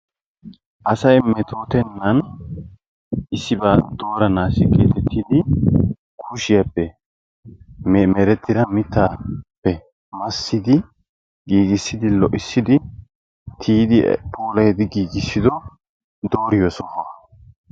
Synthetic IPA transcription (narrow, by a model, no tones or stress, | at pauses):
ʔɐsɐjmɛt̪ʰo̞ːt̪ɛnːɐn | ɪsːɪbaːd̪o̞ːɾɐnaːsɪkʼeːt̪ɛt̪ːɪd̪ɪ | kʰʊʃɪjɐpːɛ | mmɛɾɛt̪ːɪd̪ɐmɪt̪ːaːpːɛ | mɐsːɪd̪ɪ | ɡiːɡɪsːɪd̪ɪlɔʔɪsːɪd̪ɪ | t̪ʰiːd̪ɪpʰoːlɐjɛd̪ɪɡiːɡɪsːɪd̪ɔ | d̪o̞ːɾɪjosɔho